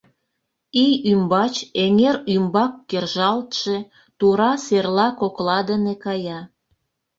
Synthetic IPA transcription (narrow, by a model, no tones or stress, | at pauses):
ijymbɑt͡ɕeŋeɾymbɑkːerʒɑlt̪ʃe | t̪uɾɑserlɑkoklɑd̪ənekɑjɑ